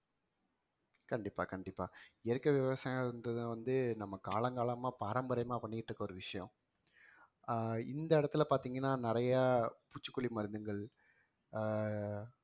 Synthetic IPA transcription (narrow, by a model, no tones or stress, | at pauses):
kɐɳɖɪpːa̰ːkɐɳɖɪpːa̰ːɛɾɯkːɐʋɪʋɐsaːjaɯnd̪ɾɐðɯʋɐnd̪ɯnɐmːɐkaːɭɐŋɡaːɭɐmaːpaːɾɐmbɐɾɐjmaːpɐɳːɪkɪʈːrɯkːɐɔɾɯʋɪʂɐjɐ̰̃ | ɪnd̪ɐɪɽɐt̪ːɪlɐpaːɾt̪iːŋɡɐnːaːnɪɾɐjaːput͡ʃːɯ̥kːʊɭimɐɾɯnd̪ɯŋɡɐɭ